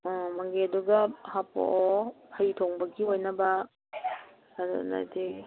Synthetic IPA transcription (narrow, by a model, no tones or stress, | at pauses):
ɔmɐŋɡeduɡɐhapo̰ʔɔhɐjtʰoŋbɐɡiojnɐbɐ | aɾṵna̰di